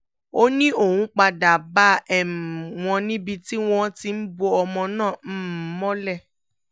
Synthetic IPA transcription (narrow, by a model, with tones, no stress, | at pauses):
o˦nĩ˦o˦˨hũ˧˦k͡pa˧da˨ba˦ɛ˨w̃ɔ̃˧nĩ˦bi˧ti˦w̃ɔ̃˧˦ti˧n̩˦bo˧ɔ˧mɔ̃˧nãː˦˨m̩˦m˨˦mɔ̃˦lɛ˦˨